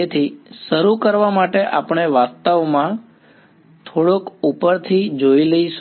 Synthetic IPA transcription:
et̪ʰiʃəɾukəɾʋamaʈeʔapɳ̃eʋast̪aʋmã | t̪ʰoɽokupəɾt̪ʰid͡ʒoiləiʃ

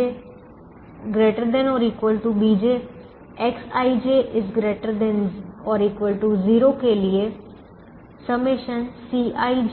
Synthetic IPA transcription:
e | ɡɾeːʈəɾd̪ɛ̃nɔːɾiːkwəlʈubiːd͡ʒeː | ɛksaːid͡ʒeːʔɪzɡɾeːʈəɾd̪ɛ̃nɔːɾiːkwəlʈuziːɾoːkeːlɪeː | səmeʃənsiːaːi

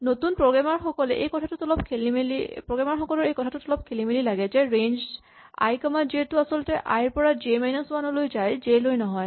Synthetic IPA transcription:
notunpɹoɡamaɹxɔkɔlɛʔejkɔtʰatʊtɔlɔpkʰelimelipɹoɡamaɹxɔkɔlɔɹejkɔtʰatʊtɔlɔp̚kʰelimililaɡɛzɛɹend͡ʒ | a̰jkamaziɛtʊasɔlʊtɛʔa̰jɹpɔɹad͡ʒemajnaswanɔlojzajzelojnɔɦɔj

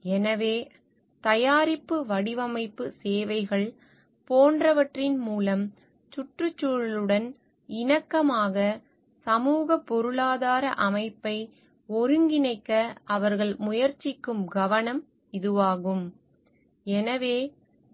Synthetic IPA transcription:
ɛnɐʋeː | t̪ɐjaːɾɪpːɯʋɐɽɪʋɐmɐɪpːɯseːʋɐɪɣɐɭ | poːndrɐʋɐʈrɪnmuːlɐm | t͡ʃʊʈrɯt͡ʃːuːɻlɯɽɐn | ɪnɐkːɐmaːɣɐ | sɐmuːɣɐpːɔɾɯɭaːðaːɾɐʔɐmɐɪpːɐɪ | ɔɾɯŋɡɪnɐɪkːɐʔɐʋɐɾɣɐɭmʊjɐɾt͡ʃːɪkːɯmɡɐʋɐnɐm | ɪðɯʋaːɣɯm | ɛnɐʋeː

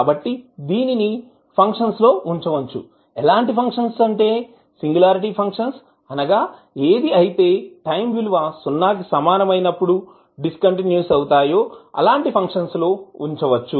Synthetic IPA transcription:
bɐʈːid̪iːnini | pʰɐŋkʂɐnslo̞ːuɲt͡ʃɐʋɐt͡ʃːṵ | ɛlaːɳʈipʰɐŋkʂɐnsɐɳʈe̞ː | siŋɡulaːɾiʈipʰɐŋkʂɐns | ɐnɐɡaː | e̞ːd̪iɐjit̪e̞ːʈɐjmʋiluʋɐsunːaːk̬isɐmaːnɐmɐjnɐpːuɽu | ɖiskɐɳʈinjuːsɐwut̪aːjo̞ːɐ̰laːɳʈipʰɐŋkʂɐnslo̞ːuɲt͡ʃɐʋɐt͡ʃːu

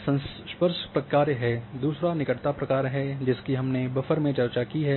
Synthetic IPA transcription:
sɐ̃ns | ʃpəɾʃpɾɐkaːɾɦɛd̪uːsɾanɪkəʈt̪apɾɐkaːɾɦɛd͡ʒɪskiɦɐmnebɐfəɾmẽt͡ʃɐɾt͡ʃakiɦɛː

